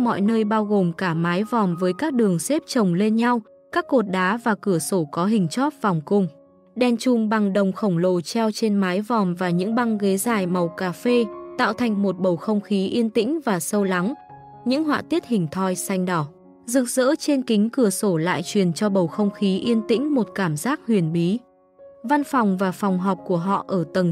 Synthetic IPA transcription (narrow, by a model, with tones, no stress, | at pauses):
mɔ̰˧˨jnəː˧jɓaː˧wɣo˨˩mkaː˧˩maː˨˦jvɔ˨˩mvəː˨˦jkaː˦˥k̚ɗɨ˨˩əŋse˦˥p̚t͡ɕə˨˩wŋ͡mle˧nɲa˧w | kaː˦˥kːo˨˩t̚ɗaː˨˦vaː˨˩kɨ˧˩əso˧˩kɔ˨˦ɦï˨˩ŋ̟t͡ɕɔ˦˥t̚vɔ˨˩wŋ͡mkʊ˧ŋ͡m | ɗɛ˧˩nt͡ɕʊ˧˩ŋ͡mɓa˨˩ŋɗə˨˩wŋ͡mxə˧˩wŋ͡mlo˨˩t͡ɕɛ˧wt͡ɕe˧nmaː˨˦jvɔ˨˩mvaː˨˩ɲɨ̰˧˥ŋɓa˧ŋɣe˨˦zaː˨˩jma˨˩wkaː˧˩fe˧t̪a̰ː˧˨wt̪ʰa˨˩jŋ̟mo˨˩t̚ɓə˨˩wxə˧wŋ͡mxi˨˦ʔi˧ənt̪ḭ̈˧˥ŋ̟vaː˨˩sə˧wla˨˦ŋ | ɲɨ̰˧˥ŋɦwa̰ː˧˨t̪i˦˥ət̚hï˨˩ŋ̟t̪ʰɔ˧jsa˧jŋ̟ɗɔ˧˩ | zɨ˨˩k̚z̥ə̰ː˧˥t͡ɕe˧nkï˨˦ŋ̟kɨ˧˩əso˧˩la̰ː˧˨jt͡ɕwi˨˩ənt͡ɕɔ˧ɓə˨˩wxə˧wŋ͡mxi˨˦ʔi˧ənt̪ḭ˧˥ŋ̟mo˨˩t̚kaː˧˩mzaː˦˥t̚hwi˨˩ənɓi˨˦ | va˧nfa˨˩wŋ͡mvaː˨˩fɔ˨˩wŋ͡mɦɔ˨˩wk͡p̚ku˧˩əɦɔ̰˧˨ʔʔəː˧˩t̪ə˨˩ŋ